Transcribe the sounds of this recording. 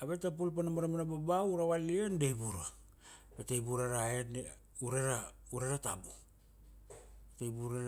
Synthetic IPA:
aβe̞tap̬ulp̬anamaɾamanababauɾawaliendejbuɾa | betejbuɾaɾaene | uɾeɾauɾaɾata̰bu | etejbuɾa

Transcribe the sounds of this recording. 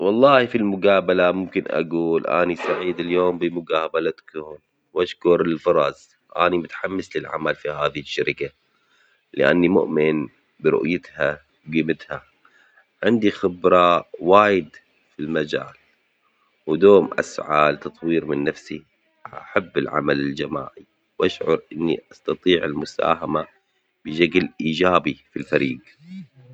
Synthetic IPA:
wɑlˤːɑːhfilmʊɡaːbalamʊmkɪnʔa̰ɡuːlʔa̰ːnisˤaʕiːd̪ɪljoːmbimʊɡaːbalat̪ḁkuːn | wʔaʃkʊɾɪlfɑɾˤɑz | ʔa̰ːnimʊt̪ħamːɪslɪlʕa̰malfihaːðihɪʃːaɾɪka | lɪ̰ʔa̰nːimʊ̰ʔmɪn | bɾʊ̰ʔjɪt̪ha | wɡiːmɪt̪ha | ʕɪnd̪ixɪbɾˤɑwaːjɪd̪ | filmad͡ʒa̰ːl | wd̪oːmʔa̰sʕalt̪ɑt̪ˤwiːɾmɪnːafsi | a̰ħabːɪlʕa̰malɪld͡ʒama̰ːʕi | wʔaʃʕʊɾˤʔɪnːiʔɑst̪ɑt̪ˤiːʕɪlmʊsa̰ːɦama | b̥ɪʃaɡlʔiːd͡ʒaːbifilfaɾiːɡ

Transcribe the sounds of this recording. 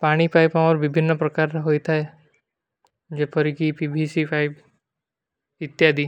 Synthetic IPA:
paɽ̃ipʰajpaməɾʋibʱinːəpɾəkaɾɦoit̪ʰae | d͡ʒepʰəɾikipibʱisipʰaib | ɪt̪jad̪ʱi

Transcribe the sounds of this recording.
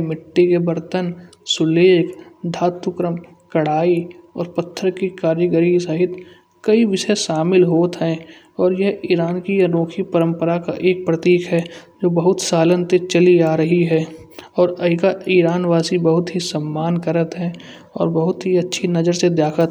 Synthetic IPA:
mɪʈːikebəɾt̪ənsʊleːkʰd̪ʱaːt̪ʊkɾəm | kɐɽaːiɔːɾpət̪ʰːəɾkikaːɾjəɡəɾisəɦɪt̪ | kɐiʋɪʃəʃaːmɪlɦoːt̪ɦɛ̃ː | ɔːɾjəɦiːɾaːnkijaɾoːkʰipəɾə̃mpəɾaka̰ʔeːk̚pɾət̪iːkɦɛd͡ʒoːbəɦʊt̪saːlənt̪et͡ʃəliaːɾəɦiɦɛː | ɔːɾɐikaiːɾaːnʋaːsibəɦʊt̪ɦisəmːaːnkəɾət̪ɦɛː | ɔ̰ːɾbəɦʊt̪ɦiɐtːʃʰinɐd͡ʒəɾsed̪jaːkʰət̪

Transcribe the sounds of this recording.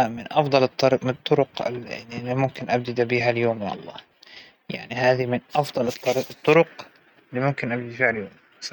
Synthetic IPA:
mɪnʔɑfd̪ˤɑlɨt̪ˤːɑɾmɪt̪ˤːʊɾʊqɪimʊmkɪnʔab̚d̪ɪd̪abiːɦaljoːmja̰ʔɑ̰lˤːɑ̰ː | ja̰ʕnihaːðimɪnʔɑfd̪ˤɑlɨt̪ˤːɑɾt̪ˤːʊɾʊq | lːimʊmkɪnʔabd̪ɪd̪fiːʕaljoːm

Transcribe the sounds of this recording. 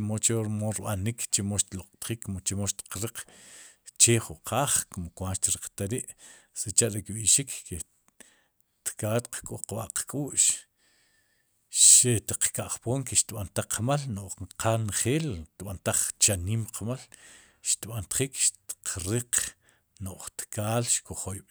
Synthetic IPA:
mot͡ʃoɾmoɾɓanikt͡ʃemoʃt̪loqʼt̪χiːkːmot͡ʃemoʃt̪i̥qɾiq͡χ | t͡ʃeχuʔqʰaːχkomokwanʃt̪iɾiqt̪aɾiʔset͡ʃaʔɾekɓiʃikke | t̪kaːt̪qkʼoqɓa̰ʔqkʼuːʔʃ | ʃet̪iq͡χkaʔχpoːŋkeʃt̪ɓant̪aqmalnoʔqanχeːlt̪ɓant̪aχt͡ʃaniːmqʰmal | ʃt̪ɓant̪χiːkʃt̪i̥qɾiq | noʔχt̪kaːlʃkoχojɓ

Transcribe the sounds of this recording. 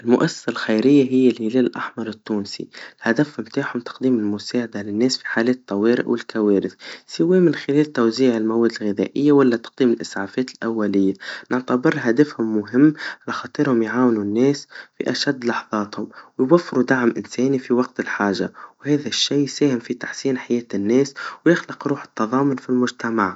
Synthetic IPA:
ʔɪlmʊʔasːḁsalxajɾɪjːaɦɪjːɪlhɪleːllʔaħmɑɾˤɪt̪ːuːnsḭlhad̪afhmt̪aːħhʊmt̪ɑ̥qd̪iːmɪlmʊsaːʕad̪alɪnːeːsfi̥ħaːlɛːt̪t̪ˤːɑweːɾɪ̰ʔwʔɪlkaweːɾɪθsɪwemɪnxɪleːlt̪awziːʕɪlmawɛːd̪ɪlɣɪðæ̰ːʔɪjːawalːat̪ɑ̥q̚d̪iːmɪlʔɪsʕaːfɛːt̪ɪlʔawːalɪjːanɪʕt̪abɨɾɦad̪afhʊmːʊɦɪmːʕalaxɑt̪ˤiɾhʊmjʕaːwnunːɛːsfḭʔaʃad̪ːlɑħðˤɑːt̪hʊmwɪjwafːɪɾud̪aʕmʔɪnsɛːnifiwɑq̚t̪ɪlħaːʒawhɛːðaʃːiːsæːhɪmfit̪ḁħsiːnħajɛːt̪ɪnːɛːswjɪxlɪqɾuːħɪ̥t̪ːɑðˤɑːmʊnfilmʊʒt̪amaʕ

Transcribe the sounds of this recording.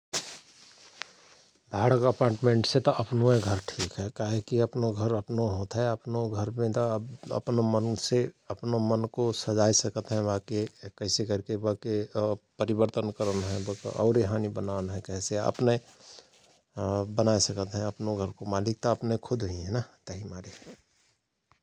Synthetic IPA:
bʱaːɽəkəpaːʈmẽːɳʈset̪oʔɐpnoɦeɡʱəɾʈʰiːkɦɛkaɦekiəpnoɡʱəɾəpnoɦot̪ɦɛəpnoɡʱəɾmẽt̪obə̰pnomənseəpnomənkosəd͡ʒaːisəkət̪ɦɛ̃ʋakekəɪsekəɾkebəkepəɾibəɾt̪ənkəɾənɦɛ̃bəkʔɔ̰ʊɾeɦaːnibənaːnɦɛ̃kɛɦseə̰pne | bənaːesəkət̪ɦɛ̃əpnoɡʱəɾkomaːlɪk̚t̪ɔəpnekʰʊd̪ʱɦɦiɦɛ̃nat̪əɦimaːɾe

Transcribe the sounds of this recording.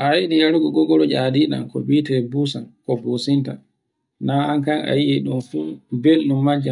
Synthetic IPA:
ʔajiɗijaɾuɡɔɡɔɡɔlɔd͡ʒadiɗa̰nkɔ̰ɓitɛbusankɔbosinta | naaŋkaŋa̰jiɛɗunfuːbelɗumːad͡ʒa

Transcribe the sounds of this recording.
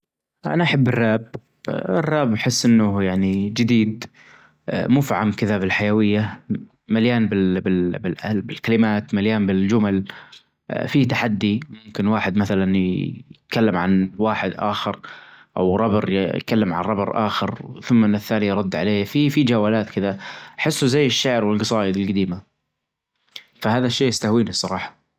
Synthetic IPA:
ʔa̰naʔaħabːɪrːaːb̚ | ɪrːaːbħɪsːʔɪnːʊjaʕnid͡ʒɪd̪iːd̪ | muːfiʕamkɪðabɪlħajawɪjːa | maljaːnbɪlbɪlbɪlʔalbɪlkalɪmaːt̪maljaːnbɪld͡ʒʊmal | fit̪aħad̪ːimajʊmkɪnwaːħɪd̪maθalanjɪt̪̚kalːɪmʕanwaːħɪd̪ʔa̰ːxɪɾʔa̰wɾˤɑbɨɾjjkalːɪmʕa̰nɾˤɑbɨɾˤʔa̰ːxɪɾθʊmːnːɪθːaːnijɾˤɑd̪ːʕaleːfifid͡ʒaːwaːlaːt̪kɪðaħɪsːuzajːɪʃːaʕɾwɪlɡɑsˤɑːjɪd̪ɪlɡad̪iːma | fahaːðaʃːeːjɪst̪ahwiːnisˤɑɾˤɑːħɑ̥

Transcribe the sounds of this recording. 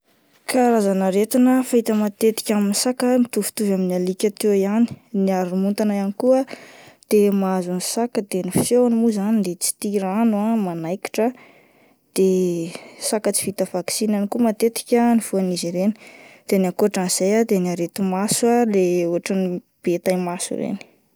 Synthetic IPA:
kaɾazanəɾet̪inəfaɦit̪əmat̪et̪i̥kʲaminisakəmit̪uvu̥t̪uvaminalikʲat̪eiani̥niaɾumunt̪anaanikuəd̪̥emazunisakəd̪eniffenimuzanid̪et͡si̥t̪iɾanuamanajki̥ʈ͡ʂə | d̪̥e | sakət͡si̥vit̪əv̥aksinanikumat̪et̪i̥kʲəniv̥uaniziɾeni̥d̪̥eniakuaʈ͡ʂaniz̥ajad̪enaɾet̪umasualeuɦaʈ͡ʂəni | b̥et̪ajmasṵɾḛni̥

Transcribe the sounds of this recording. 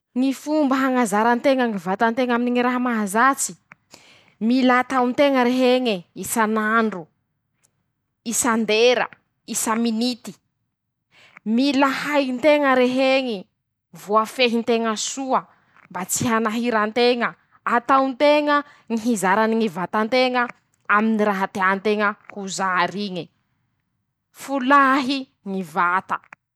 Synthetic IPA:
ŋifumbəɦaŋazaɾant̪eŋəŋivat̪ant̪eŋaminiŋiɾaɦamaɦazat͡si̥ | milat̪awnt̪eŋəɾeɦeɲiisanaɳɖ͡ʐu | isand̪eɾə̰ | isaminit̪i̥ | milahajnt̪eŋəɾeɦeŋi | vuafeɦint̪eŋəsuə | mbat͡siɦanaɦiɾant̪eŋə | at̪awnt̪eŋə | ŋiɦizaɾaniŋivat̪ant̪eŋə | aminiɾaɦat̪eaant̪eŋəhuzaɾiɲi | fulaɦi | ŋivat̪ə̥

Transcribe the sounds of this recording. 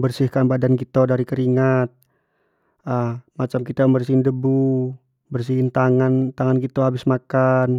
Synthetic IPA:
bərsɪhkanbadankit̪odaɾikəɾiŋat̪̚ | əmat͡ʃamkit̪aməmbərsiɪndəbu | bərs̬iɦɪnt̪aŋant̪aŋankit̪oɦabɪsmakan

